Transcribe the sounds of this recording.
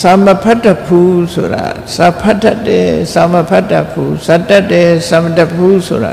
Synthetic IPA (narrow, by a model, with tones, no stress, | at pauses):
sa˨məpʰa˦tːa˦pʰu˦so̰˨ɾa̰˨ | sa˨pʰa˦tːa˦tːɛ̰˨sa˨məpʰa˦tːa˦pʰːu˦˨sa˨da˦tːɛ˨sa˨məda˦pʰːu˦so̰˨ɾa̰˨